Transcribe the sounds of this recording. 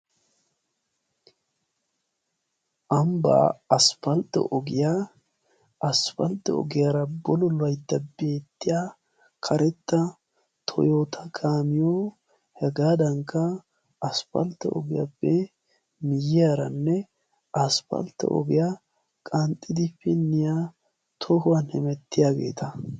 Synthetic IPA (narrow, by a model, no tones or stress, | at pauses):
ʔɐmba̰ːɐsfɐlt̪ːɛ̰ʔɔɡɪja | ʔɐsfɐlt̪ːɛɔ̰ɡɪjɐɾɐbɔlɔlɐjd̪ɐbe̞ːt̪ːɪja | kʰɐɾɛt̪ːɐ | t̪ʰɔ̰joːt̪ʰɐkʰaːmɪjoː | hɛɡaːd̪ɐŋkːɐ | ɐspɐ̰lt̪ːɛ̰ɔ̰ɡɪja̰bːɛ | mɪjɪjaɾɐnːɛ | ɐsfɐ̰lt̪ːɛ̰ʔɔ̰ɡɪja | kʼɐnt̪ʼːɪd̪ɪfɪnːɪja | t̪ʰɔhʊwanhɪmɛt̪ːɪjaːɡḛːt̪ɐ